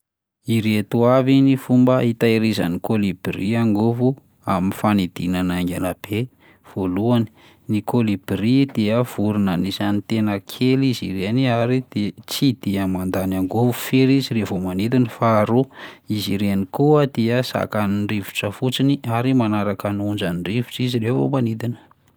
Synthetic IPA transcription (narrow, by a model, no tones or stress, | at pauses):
iɾet̪uavinifumbəit̪aeɾiza̰nikolibriaŋɡovu | aminfanid̪inanaŋɡanab̥e | v̥oluani̥ | nikʰolib̥rid̪̥eəv̥uɾunənizanit̪enəkʰeliziɾeniaɾid̪̥et͡sid̪̥eamand̪anaŋɡovufeɾiziɾevomanid̪inəfaɾuiziɾeanikuad̪eəsa̰kaniɳɖ͡ʐivu̥ʈ͡ʂəfut͡siniaɾimanaɾakənund͡ʒaniɳrivuʈ͡ʂizilevo̰manid̪inə̥